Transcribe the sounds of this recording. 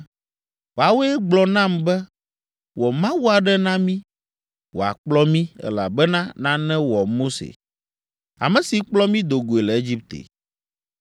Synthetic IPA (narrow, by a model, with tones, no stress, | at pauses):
wo˨a˨wo˦ɛ˦ɡ͡blɔ˨nã˦mbɛ˦ | wɔ˨mã˦wu˦a˨ɖɛ˦nã˦mĩ˦ | wo̰˨a̰˨k͡plɔ˦mĩ˦ɛ̰˦la˨bɛ˦nã˦nã˦nɛ̃˦wɔ˨mo˦sḛ˨ | a̰˨mɛ̃˨si˨k͡plɔ˦mĩ˦d̪o˨ɡo˨e˨lɛ˨e˦d͡ʑi˦p̚t̪ḛ˨